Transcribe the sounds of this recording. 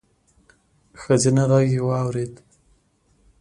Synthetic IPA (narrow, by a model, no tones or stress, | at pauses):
xəzinaɾaɡewɑwɾed̪